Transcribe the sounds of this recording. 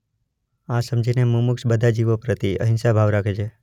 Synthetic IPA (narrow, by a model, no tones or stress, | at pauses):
asəmd͡ʒʱinemumuksbəd̪ʱad͡ʒiʋopɾət̪iə̰ɦɪ̃nsabʱaʋɾakʰet͡ʃʰe